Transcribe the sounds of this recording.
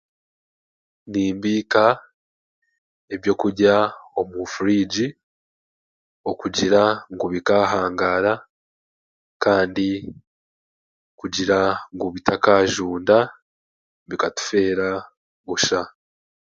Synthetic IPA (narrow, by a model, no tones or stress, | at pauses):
niːmbiːka | ebjo̞kuɟao̞mufuɾiɟi | o̞kuɟiɾaŋɡuβikaɦaːŋɡaːɾa | kaːndi | kuɟiɾaŋɡuβitakaʒuːnda | βikatu̥fe̞ːɾa | βuʃa